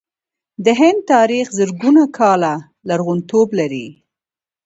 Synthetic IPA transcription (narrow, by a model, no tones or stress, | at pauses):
d̪əɦɪnd̪̚t̪ɑɾixzəɾɡunakʰɑla | laɾɣunt̪oblaɾi